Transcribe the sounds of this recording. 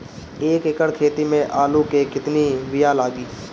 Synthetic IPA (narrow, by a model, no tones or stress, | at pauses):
eːkekəɽkʰeːt̪imẽʔaːlukekɪt̪niʋɪjaːlaːɡiː